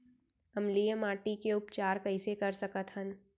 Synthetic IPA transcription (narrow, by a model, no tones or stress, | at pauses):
ɐmlijəmaːʈikeʊpt͡ʃaːɾkɐɪsekɐɾsɐkət̪ɦən